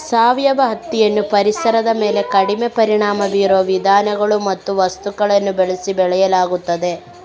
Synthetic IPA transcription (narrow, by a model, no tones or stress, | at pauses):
saːʋjɐʋɐɦɐt̪ːijɐnːupɐɾisɐɾɐd̪ɐme̞ːle̞kɐɽimepɐɾiɳaːmɐʋiːɾuʋɐʋid̪ʱaːnɐɡɐɭumɐt̪ːuʋɐst̪ukɐɭɐnːubɛɭisibɛɭɛjɐlaːɡut̪ːɐd̪e̞